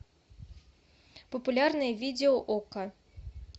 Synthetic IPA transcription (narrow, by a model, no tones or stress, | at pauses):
pɐpulʲarnɨjɛvʲid̪ʲɛɔʔɔka